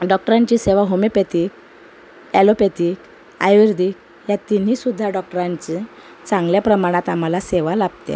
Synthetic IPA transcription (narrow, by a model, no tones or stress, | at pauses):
ɖɔk̚ʈəɾãɲt͡ɕiseʋaɦomepet̪ik̚ | ɛlopet̪ik | a̰jʋiɾd̪ʱik | jat̪in̤isud̪ʱːaɖɔk̚ʈəɾaɲt͡ɕi | t͡sãŋɡljapɾəmaɽ̃at̪am̤alaseʋalab̚t̪ḛ̃